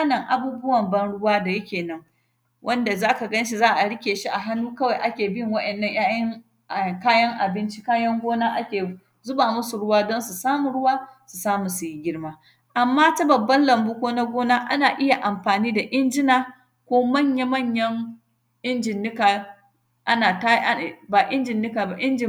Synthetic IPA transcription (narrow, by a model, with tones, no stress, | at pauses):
a˦nɐ˨ŋʔa˨buː˦bʊ˦wɐ˨mbɐ˦nɽʊ˦waː˦da˨jɐ˦kʲeː˨nɐ˦ŋ | wʔɐ˦nda˨zaː˦ka˨ɡɐ˦nʃ̬i˨zaː˦ʔa˨ɽɪ˦kʲeː˨ʃi˦ʔa˨ɦa˦nuː˦kɐ˦wa˨jʔa˦kʲeː˨bɪ˦˨ŋwɐ˦ʔɛ˨nːɐ˦ɲjaː˦jʔɐ˦ŋ | ʔkaː˦jɐ˦ŋʔa˨bɪ˦nt͡ʃi˦kaː˦jɐ˦ŋɡʷoː˦naː˦ʔa˦kʲeː˨ | zʊ˦baː˨mʊ˦su˨ɽʊ˦waː˦dɔ˦nsu˨saː˦mu˨ɽʊ˦waː˦su˨saː˦mu˨su˨ji˦ɡʲɪ˦ɽmaː˦ | ʔa˨mːaː˦ta˦bɐ˨bːɐ˦nlɐ˨mbʊ˦kʷoː˦na˦ɡʷoː˦naː˦ʔa̰˦naː˨ʔɪ˦ja˨ʔa˨mɸaː˨niː˦da˨ʔɪ˦nd͡ʒɪ˦naː˨ | kʷoː˦mɐ˦˨ɲɲa˦mɐ˦˨ɲjɐ˦ŋ | ʔɪ˦nd͡ʒɪ˨nːɪ˦kaː˨ | ʔa˦naː˨ta˦˨ba˨ʔɪ˦nd͡ʒɪ˨nːɪ˦kaː˨ba˦ʔɪ˦nd͡ʒɪ˨